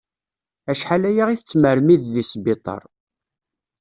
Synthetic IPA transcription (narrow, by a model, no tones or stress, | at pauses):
æʃħalæjaʁiθət͡sːməɾmiððisbit̪ˤɑ̰ɾˤ